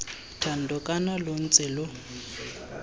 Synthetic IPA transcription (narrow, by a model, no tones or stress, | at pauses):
tʰan̩dʱɔkʼanalʊn̩t͡sʼɪlʊ